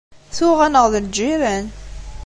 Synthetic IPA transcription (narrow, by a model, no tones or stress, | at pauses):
θuʁænəʁðəd͡ʒiɾæn